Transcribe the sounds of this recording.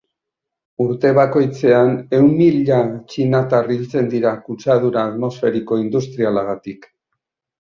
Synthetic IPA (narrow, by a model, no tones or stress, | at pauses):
uɾt̪e̞βako̞jt͡se̞ane̞wmmiʎat͡ʃinat̪arilt͡se̞nd̪iɾakut͡saðuɾaːðmo̞sfe̞ɾiko̞ind̪ust̪ɾialaɣat̪ik